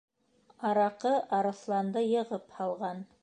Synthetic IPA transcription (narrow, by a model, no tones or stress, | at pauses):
ɑɾɑqɤʔɑɾɤ̆θlˠɑnd̪ɤjɤ̆ʁɤphɑlˠʁɑn